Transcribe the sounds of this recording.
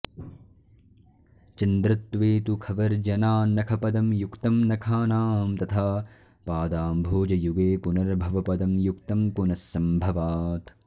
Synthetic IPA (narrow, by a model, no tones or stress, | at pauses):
t͡ʃɐnd̪ɾɐt̪ʋeːt̪ukʰɐʋɐɾd͡ʒɐnaːnɐkʰɐpɐd̪ɐmjukt̪ɐmnɐkʰaːnaːmt̪ɐt̪ʰa | paːd̪aːmbʱoːd͡ʒɐjuɡeːpunɐɾbʱɐʋɐpɐd̪ɐmjukt̪ɐmpunɐsːɐmbʱɐʋaːt̪